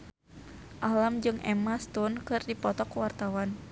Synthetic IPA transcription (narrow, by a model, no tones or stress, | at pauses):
ʔalamd͡ʒɨŋʔɛ̰mast̪unkɨrdipɔt̪ɔkuwart̪awan